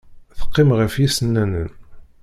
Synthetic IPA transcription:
θə̥qːɪmʁəfjisənːænən

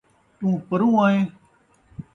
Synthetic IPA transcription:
t̪ũːpəɾũːãːẽː

